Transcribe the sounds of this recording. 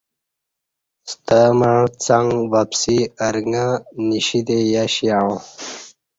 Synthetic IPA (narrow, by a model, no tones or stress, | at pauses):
st̪əməɻ̃t͡saŋɡvapsiəɾŋaniɕid̪ejaɕiaɻõ